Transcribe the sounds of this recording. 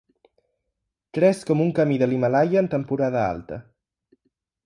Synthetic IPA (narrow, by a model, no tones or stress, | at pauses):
t̪ɾɛskɔmuŋkamiðəlimalajəːnt̪əmpuɾaðəa̰lˠt̪ə̰